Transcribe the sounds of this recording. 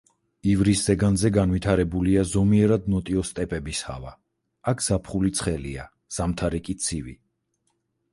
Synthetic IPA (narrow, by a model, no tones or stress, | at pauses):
ivɾisz̥ɛɡanzɛɡanvit̪ʰaɾɛbuliazɔmiɛɾad̪̚nɔt̪ʼiɔst̪ʼɛpʼɛbisha̰va | akʰz̥apʰχulit̪sʰχɛlia | z̥amt̪ʰaɾikʼit̪sʰivḭ